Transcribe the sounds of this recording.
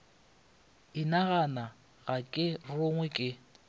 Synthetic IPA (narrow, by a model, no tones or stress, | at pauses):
ɪnaɣana | ɣakʼɪroŋwɛkʼɪ